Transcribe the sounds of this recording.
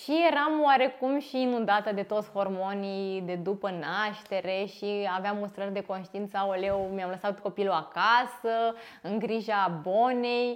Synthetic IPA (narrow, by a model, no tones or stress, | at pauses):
ʃije̞ɾamowaɾe̞kumʃiːnund̪at̪əd̪e̞t̪o̞t̪sʲho̞rmo̞nijd̪e̞d̪upənaʃt̪e̞ɾe̞ʃiaveamost̪ɾərʲd̪e̞ko̞nʃt̪iint̪saolewmijamləsat̪ko̞piluakasə | ɨŋɡɾiʒabo̞nej